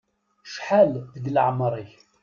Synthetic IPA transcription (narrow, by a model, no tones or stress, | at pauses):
ʃħalðəɡləʕmɾˤiç